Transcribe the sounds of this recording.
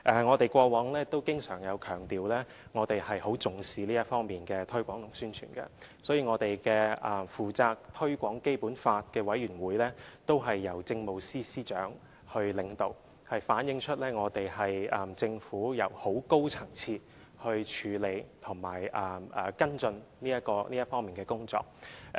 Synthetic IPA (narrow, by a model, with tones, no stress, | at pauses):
ʔɛː˨˩ŋɔː˨˧t̪e˨˩jkʷɔː˧wɔː˨˥ŋlɛː˥t̪o˥wkɪ˥ŋsœː˨˩ŋjɐ˨˧wkʰœː˨˩ŋt̪iː˨wlɛː˥ | ŋɔː˨˧t̪e˨jhɐ˨jho˨˥wt͡sʊ˨˧ŋsiː˨˧liː˥jɐ˥t̚fɔː˥ŋmiː˨nkɛː˧t̪ʰɵ˥ɥkʷɔː˨˥ŋlʊ˨˩ŋsyː˥nt͡ʃʰy̰ː˨˩nkɐ̰˧sɔː˨˥jiː˧ŋɔː˨˧t̪e˨jkɛː˧ɐː˨fuː˨t͡saː˧k̚t̪ʰɵ˥ɥkʷɔː˨˥ŋke˥jpuː˨˥nfaː˧t̚kɛː˧wɐ˨˥jɥyː˨˩nwuː˨˧jlɛː˥t̪o˥wɦɐ˨jːɐ˨˩wt͡sɪ˧ŋmo˨wsiː˥siː˥t͡ʃœː˨˥ŋ | hɵ˧ɥlɪ˨˧ŋt̪o˨w | hɐ˨jfaː˨˥njɪ˧ŋt͡ʃʰɵ˥t̚lɛː˥ŋɔː˨˧t̪e˨jhɐ˨jɐ˨˩mt͡sɪ˧ŋfuː˨˥jɐ˨˩who˨˥wko˥wt͡sʰɐ˨˩ŋt͡sʰiː˧t̚ | hɵ˧ɥt͡ʃʰyː˨˧le˨˧jt̪ʰʊ˨˩ŋma̰ː˨˩jʔɐ˨˩mʔɐ˨˩kɐ˥nt͡sɵ˧nliː˥jɐ˥t̚kɔː˧li˥ɐ˥tfɔː˥ŋmiː˨nkɛː˧kʊ˥ŋt͡sɔ̰ː˧k̚